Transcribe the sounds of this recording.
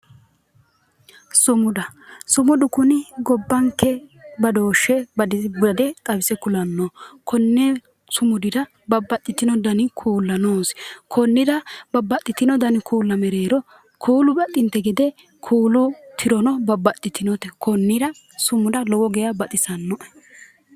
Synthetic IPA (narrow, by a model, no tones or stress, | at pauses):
sʊmʊd̪ɐsʊmʊd̪ʊkʊnɪɡɔbːɐŋkːɛbɐd̪oːʃːɛbɐdɐd̪ɛt̪ʼɐbɪsɛkʊlɐnːokʰɔnːɛ | sʊmʊd̪ɪd̪ɐ | bɐbːɐt̪ʼːɪt̪ːɪnɔd̪ɐnɪkʰuːlːɐnoːskʰɔnːɪd̪ɐbɐbːɐt̪ʼːɪt̪ɪnɔd̪ɐnɪkʰuːlːɐmɛɾeːɾɔ | kʰuːlʊbɐt̪ʼːɪnt̪ːɛɡɪd̪ɛ | kʰuːlʊt̪ʰɪɾɔnɔbɐbːɐt̪ʼːɪt̪ɪnɔt̪ɛkʰɔnːɪɾɐ | sʊmʊd̪ɐlɔwɔɡɛjɐbɐt̪ʼɪsɐnːɔʔ